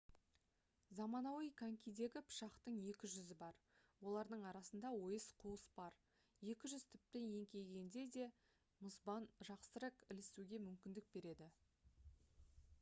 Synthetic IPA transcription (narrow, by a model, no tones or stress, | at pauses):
zɑmɑnɑwijkʰaŋkʲijd̪e̞ɡʲɪpʰʊ̥ʃɑqt̪əɴje̞kʲɪʒʏzɪbɑɾ | wo̞lˠɑɾd̪əɴɑɾɑsənd̪ɑwo̞jəsqʰuəsbɑɾ | je̞kʲɪʒʏz̥t̪ʰʏp̚t̪enje̞ŋkʲe̞lɡʲe̞nd̪e̞d̪e̞ | mʊzbɑnʒɑqsəɾɑkɪlɪst̪uɡʲe̞mʏmkʲɪnd̪ɪk̚be̞ɾe̞d̪ɪ